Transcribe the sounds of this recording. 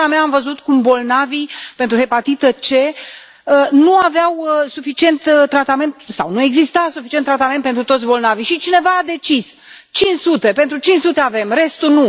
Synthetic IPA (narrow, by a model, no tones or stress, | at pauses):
ameaːmvəzut̪kumbo̞lnavipent̪ɾuhe̞pat̪it̪ət͡ʃe̞ | ənuavawəsufit͡ʃie̞nt̪t̪ːɾat̪ame̞nt̪sa̰wnue̞ɡzist̪asufi̥t͡ʃient̪ːɾat̪ament̪pent̪ɾut̪o̞t̪sʲbo̞lnavijʃit͡ʃine̞vaːd̪e̞t͡ʃis | t͡ʃinʃsut̪e̞pent̪ɾut͡ʃinsut̪e̞ave̞mre̞st̪unu